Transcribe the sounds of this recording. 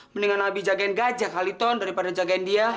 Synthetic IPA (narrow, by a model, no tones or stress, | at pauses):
məniŋanabid͡ʒaɡaɛnɡad͡ʒakɦalit̪ɔndaɾipadad͡ʒaɡaɛndia